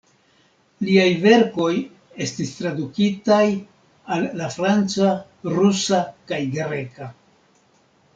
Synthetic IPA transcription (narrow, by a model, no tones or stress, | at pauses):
liajve̞ɾko̞j | e̞stistɾadukitaj | alːafɾant͡sa | ɾusakajɡɾe̞ka